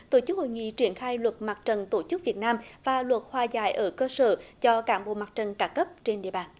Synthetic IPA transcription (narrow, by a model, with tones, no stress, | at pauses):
t̪o˧˩t͡ɕɨ˦˥k̚ho̰˧˨jŋḭ˧˨t͡ɕi˧˩ənxaː˧jlwə˨˩t̚ma˨˩t̚t͡ɕə˨˩nt̪o˧˩t͡ɕɨ˦˥k̚vi˨˩ət̚naː˧mvaː˨˩lwə˨˩t̚hwaː˨˩za̰ː˧˩jʔəː˧˩kəː˧səː˧˩zɔ˧kaː˧˩nɓo̰˧˨ma˨˩t̚t͡ɕə˨˩nkaː˧˩kə˦˥p̚t͡ɕe˧nɗḭ˧˨əɓaː˨˩n